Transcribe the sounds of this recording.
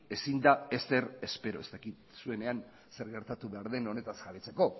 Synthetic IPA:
e̞sind̪ae̞st̪e̞ɾe̞spe̞ɾoe̞st̪akit̪̚sue̞ne̞an | se̞ɾɣe̞ɾt̪at̪uβeaɾðe̞no̞ne̞t̪azɣaβet͡se̞ko̞

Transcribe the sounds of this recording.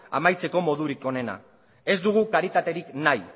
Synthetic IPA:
a̰majt͡se̞ko̞mo̞ðuɾiko̞ne̞na̰ | e̞zd̪uɣ̞ukaɾit̪at̪e̞ɾiknaj

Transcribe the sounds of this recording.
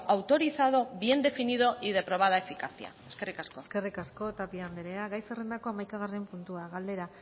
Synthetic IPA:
awt̪o̞ɾiθað̞o̞βje̞nd̪e̞finið̞o̞ʔið̞e̞pɾo̞β̞aðaefikasia̰eske̞rikaskoske̞rikasko̞t̪apiand̪eɾeaɣajserend̪ako̞amajkaɣ̞are̞mpunt̪uaɣald̪e̞ɾa

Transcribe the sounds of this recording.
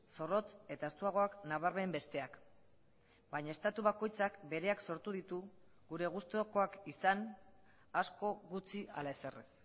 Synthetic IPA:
so̞ro̞t͡se̞t̪ae̞st̪uaɣ̞o̞aknaβaɾme̞mbe̞st̪e̞ak | bajɲae̞st̪at̪uβ̞ako̞jt͡sakbe̞ɾe̞akso̞ɾt̪uðit̪u | ɣuɾe̞ɣ̞ust̪oko̞akisan | asko̞ɣut͡sia̰lae̞se̞res

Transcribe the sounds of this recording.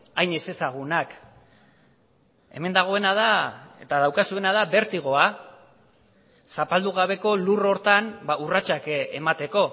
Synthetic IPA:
ajnese̞saɣ̞unak | e̞̰me̞nd̪aɣ̞o̞e̞nað̞aet̪aðawkasue̞nað̞abe̞ɾt̪iɣ̞o̞a | sapald̪uɣ̞aβe̞ko̞luro̞ɾt̪anbaurat͡ʃakemat̪e̞ko̞

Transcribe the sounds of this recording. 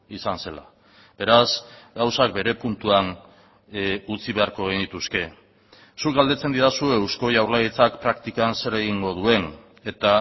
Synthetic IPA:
isanse̞la̰ | b̥e̞ɾasɡawsak̚be̞ɾe̞punt̪uan | ut͡siβe̞aɾko̞ɣinit̪uske̞ | suk̚ɡald̪e̞t͡se̞nd̪iðasue̞wsko̞ʝawɾlajet͡sakpɾakt̪ikanse̞ɾe̞ɣ̞iŋɡo̞ð̞ue̞n | e̞t̪a

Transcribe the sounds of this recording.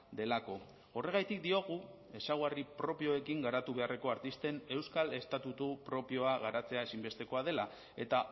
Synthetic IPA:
d̪e̞lako̞ | o̞re̞ɣ̞ajt̪ikd̪io̞ɣ̞u | e̞sawɣaripɾo̞pio̞e̞kiŋɡaɾat̪uβe̞are̞ko̞aɾt̪ist̪e̞ne̞wskale̞st̪at̪ut̪upɾo̞pio̞aɣ̞aɾat͡se̞ae̞simbe̞st̪e̞ko̞að̞e̞la | e̞t̪a

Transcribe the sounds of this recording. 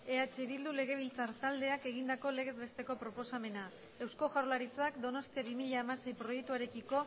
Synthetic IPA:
e̞at͡ʃe̞β̞ild̪ule̞ɣ̞e̞β̞ilt͡saɾt̪ald̪e̞ake̞ɣ̞ind̪ako̞le̞ɣ̞e̞zβe̞st̪e̞ko̞pɾo̞po̞same̞na | e̞wsko̞ʝawɾlaɾit͡sakd̪o̞no̞st̪iaβimiʎaːmase̞jpɾo̞jek̚t̪uaɾe̞kiko̞

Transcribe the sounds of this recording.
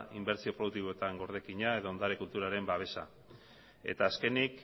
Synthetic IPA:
imbe̞ɾt͡sio̞pɾo̞ðukt̪̬iβoet̪aŋɡo̞ɾð̞e̞kiɲae̞ðoond̪aɾekult̪uɾaɾe̞mbaβe̞sa̰ | e̞̰t̪aːske̞nik

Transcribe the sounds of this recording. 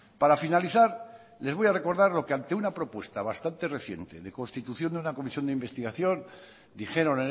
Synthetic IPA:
paɾafinaliθaɾ | le̞zβo̞jare̞ko̞ɾðaɾlo̞kant̪e̞unapɾo̞pwe̞st̪aβ̞ast̪ant̪e̞reθje̞̰nt̪e̞ðe̞ko̞nst̪it̪uθjo̞nd̪unako̞misjo̞nd̪eimbe̞st̪iɣaθjo̞n | d̪ixe̞ɾo̞ne

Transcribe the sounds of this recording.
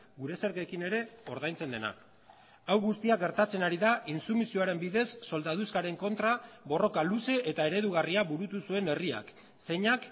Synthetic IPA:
ɡuɾe̞se̞ɾɣekine̞ɾe̞o̞ɾðajnt͡se̞nd̪e̞na̰ | awɣust̪iaɡe̞ɾt̪at͡se̞naɾiðainsumisio̞aɾe̞mbiðe̞sːo̞ld̪að̞uskaɾe̞ŋko̞nt̪ɾaβo̞ro̞kaluse̞ʔet̪ae̞ɾe̞ðuɣ̞ariaβuɾut̪usue̞ne̞ria̰k | se̞ɲak

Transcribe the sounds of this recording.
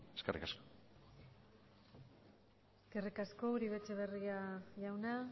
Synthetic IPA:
eskerḭkasko̥ | eske̞rikasko̞uɾiβe̞t͡ʃeβ̞e̞riaʝawna

